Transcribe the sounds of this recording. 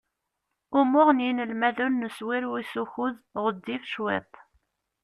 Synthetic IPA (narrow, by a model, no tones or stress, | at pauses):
ʊmʊʁnjinəlmæðunːəswɪɾwisuçuðʁəd̪ːifʃwɪ̰t̪ˤ